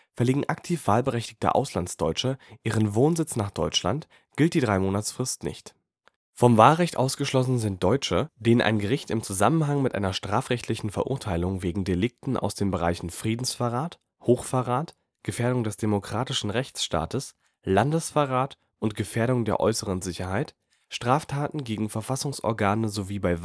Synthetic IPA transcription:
fɛɐliːɡŋ̩ʔaktʰiːfv̥aːlbəʁɛçtɪ̥çtə̰ʔa̰ʊslant͡sd̥ɔʏt͡ʃəʔiːʁənvoːnzɪt͡snaːχd̥ɔʏt͡ʃla̰nt | ɡ̥ɪlt̚d̥iːdʁaɪmoːnatsfʁ̥ɪstnɪ̰çt | fɔmvaːlʁɛçtʔa̰ʊsɡ̥əʃlɔsn̩zɪnt̚d̥ɔʏt͡ʃəd̥eːnənʔa̰ɪnɡəʁ̞ɪçtɪmt͡suzamənɦaŋmɪtʔa̰ɪnɐʃtʁ̥aːfʁɛçtʰlɪçn̩fɛɐʔʊɐtʰaɪlʊŋveːɡŋ̩delɪk̚tn̩ʔa̰ʊsd̥eːnbəʁa̰ɪçn̩fʁ̥iːdn̩sfaʁaːt | hoːxfaʁaːt | ɡ̥əfeːɐɾʊŋdɛsd̥emokʁ̥aːtɪʃn̩ʁɛçt͡sʃta̰ːtəs | landəsfaʁaːt | ʔʊntɡ̥əfeːɐɾʊŋdeːɐʔɔ̰ʏsəʁənzɪçɐhaɪt | ʃtʁ̥aːftʰaːtn̩ɡeːɡŋ̩fɛɐfasʊŋsʔɔ̰ɐɡaːnəzoviːbaɪ

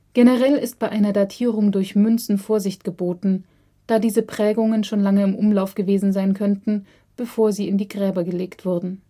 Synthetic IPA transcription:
ɡ̥enəʁɛlɪst̚b̥aɪʔaɪnɐdatʰiːʁʊŋdʊɐçmʏnt͡sn̩foːɐzɪçtɡ̥əboːtn̩ | d̥aːdiːzəpʁ̥ɛːɡʊŋənʃoːnlaŋəɪmʔʊmlaʊfɡ̥əveːzn̩zaɪnkʰœntn̩ | b̥əfoːɐziːɪndiːɡʁɛːbɐɡəleːktv̥ʊɐdn̩

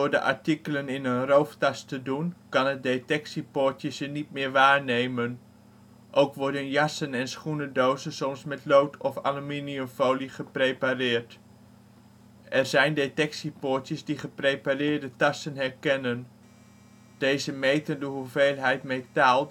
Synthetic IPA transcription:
dʊːɹdə̰ʔɑ̰ɹtikələnɪnənrowftɑstədunkɑnət̚detɛksipʊːɹtjəsənitmɪːɹʋaːɹnejmən | ʔowkʋɔɹdənjɑsənɛnsχunədowzənsɔmsmɛtlowtʰɔfa̰luminiəmfowliχəprejparɪːɹt | ʔɛrzɛjndetɛksipʊːɹtjəzdiχəprejparɪːɹdətɑsənɦɛɹkɛnən | d̥ejzəmejtəndəɦuvejlˠɦɛjtmejtaːlˠ

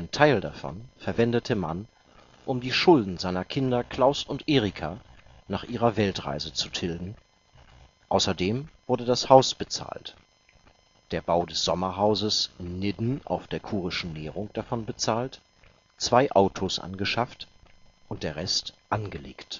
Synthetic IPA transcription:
ʔaɪntʰaɪldafɔ̰nfɛɐvɛndətʰəman | ʔʊmdiːʃʊldn̩zaɪnɐkʰɪndɐkl̥aʊsʊntʔeːʁikʰa̰ː | naːχʔiːʁɐvɛltʁa̰ɪzət͡sutʰɪldn̩ | ʔaʊsɐdeːmv̥ʊɐdədashaʊsb̥ət͡sa̰ːlt | d̥eːɐbaʊdɛsz̥ɔmɐɦaʊzəsnɪdn̩ʔa̰ʊfd̥eːɐkʰuːʁ̞ɪʃn̩nɛːʁʊŋd̥afɔnbət͡saːlt | t͡sv̥aɪʔaʊtʰosʔa̰nɡəʃaftʔʊnt̚d̥eːɐʁɛstʔanɡəlḛːkt

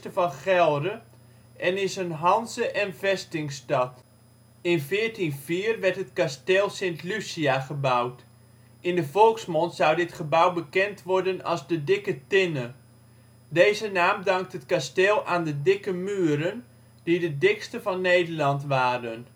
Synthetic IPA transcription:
təvɑnχɛlˠdə | ʔɛnɪsənɦɑnzəʔɛnvɛstɪŋstɑt | ɪnvɪːrtinviːrʋɛɹtətkasteːlˠsɪntlysiaχəbawt | ɪndəvɔlˠksmɔntsawdɪtχəbawbəkɛntʋɔɹdənɑ̰lˠzdədɪkətɪnə | deːzənaːmdɑŋk̚tətkastɪːlˠaːndədɪkəmyːəɾən | d̥idədɪkstəvɑnːejdərlɑntʋaːɾən

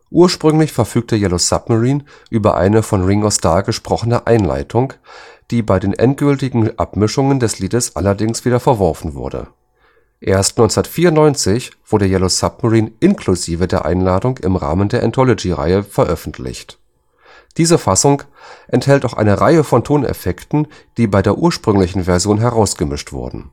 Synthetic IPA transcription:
ʔuːɐʃpʁ̥ʏŋlɪçfɛɐfyːk̚təjɛlosap̚maʁiːn | ʔyːbɐ̰ʔa̰ɪnəfɔnʁɪŋɔstaːɐɡəʃpʁ̥ɔχənəʔa̰ɪnla̰ɪtʰʊŋd̥iːbaɪdeːnʔɛ̰nt̚ɡ̥ʏltɪɡŋ̩ʔa̰pmɪʃʊŋəndɛsliːdəsʔa̰lɐdɪŋsv̥iːdɐfɛɐvɔɐfn̩vʊ̰ɐdə̰ | ʔeːɐstnɔʏnt͡snɐtfiːɐʊnnɔʏnt͡sɪçv̥ʊɐdəɐjɛlosap̚maʁiːnʔɪnkʰluziːvədeːɐʔa̰ɪnlaːdʊŋkɪ̰mʁa̰ːməndeːɐʔɛ̰ntʰɔlɔd͡ʒiʁa̰ɪəfɛɐʔœfn̩tʰlɪ̰çt | d̥iːzəfasʊŋk | ʔɛnthɛltaʊxʔa̰ɪnəʁaɪəfɔntʰoːnɛ̰fɛktn̩ | d̥iːbaɪdeːɐʔuːɐʃpʁ̥ʏŋlɪçn̩vɛɐzjoːnɦɛʁaʊsɡ̥əmɪʃtv̥ʊ̰ɐdn̩

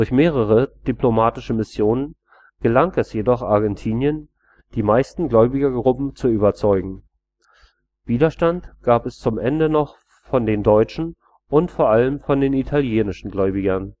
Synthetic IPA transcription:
d̥ʊɐçmeːʁ̞əʁ̞əd̥iplomaːtɪʃəmɪsjoːnən | ɡ̥əlaŋɛsjedɔχʔaɐɡɛntʰiːnjən | d̥iːmaɪstn̩ɡlɔʏbɪɡɐɡʁʊpm̩t͡suyːbɐt͡sɔʏɡŋ̩ | v̥iːdɐʃtantɡ̥aːpɛst͡sʊmʔɛndənɔχ | fɔndeːndɔʏt͡ʃn̩ | ʔʊntfoːɐʔaləmfɔndeːnitʰaljeːnɪʃn̩ɡlɔʏbɪɡɐn

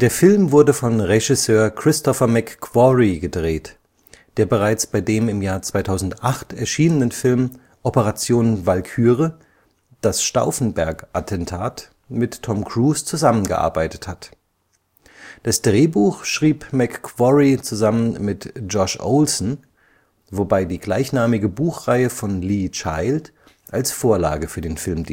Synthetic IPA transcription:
d̥eːɐfɪlmvʊɐdəfɔnʁeʒɪsøːɐkʁ̥ɪstʰɔfɐmɛkːv̥ɔʁiɡədʁeːt | d̥eːɐbəʁaɪt͡sb̥aɪdeːmɪmjaːɐt͡sv̥aɪtʰaʊzn̩tʔaχtɛɐʃiːnənənfɪlm | ʔɔpəʁat͡sjoːnnvalkʰyːʁə | d̥asʃta̰ʊfn̩bɛɐkʔatʰɛntʰaːt | mɪtʰːɔmkʁ̥uːst͡suzamənɡə̰ʔa̰ɐbaɪtə̥that | d̥asd̥ʁeːbuːxʃʁ̥iːpmɛkːv̥ɔʁit͡suzamənmɪtd͡ʒɔʃʔo̰ʊlsn̩ | vobaɪdiːɡlaɪçnaːmɪɡəbuːxʁaɪəfɔnliːt͡ʃaɪlt | ʔalsfoːɐla̰ːɡəfyːɐdeːnfɪlmd

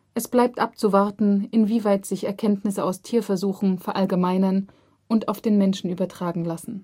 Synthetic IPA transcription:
ʔɛsb̥laɪp̚tʔap̚t͡suvaɐtn̩ʔɪnviːvaɪtz̥ɪçɛɐkʰɛntnɪsəaʊstʰiːɐfɛɐzuːxn̩fɛɐʔalɡəmaɪnɐn | ʔʊntaʊfd̥eːnmɛnʃn̩ʔyːbɐtʁ̥aːɡŋ̩lasn̩

